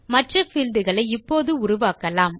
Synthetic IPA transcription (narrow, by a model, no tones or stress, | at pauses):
mɐʈrɐfɪld̪ɯɣɐɭɐɪɪpːoːðɯʊɾʊʋaːkɐlaːm